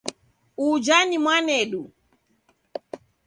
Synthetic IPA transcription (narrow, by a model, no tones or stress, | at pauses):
ud͡ʒanimwanɛɗu